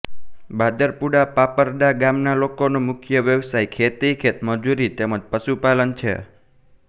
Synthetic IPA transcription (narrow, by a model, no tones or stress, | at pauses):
bad̪əɾpuɽapapəɾɖaɡamnalokonomʊkʰjəʋjəʋsajkʰet̪ikʰet̪məd͡ʒuɾit̪eməd͡ʒpəʃupalənt͡ʃʰḛ